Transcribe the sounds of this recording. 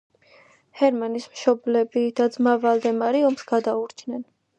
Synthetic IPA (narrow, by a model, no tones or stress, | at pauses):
hɛɾmanismʃɔblɛbid̪̥ad̪zmavalˠd̪ɛmaɾiɔmsɡ̥ad̪auɾt͡ʃʰnɛn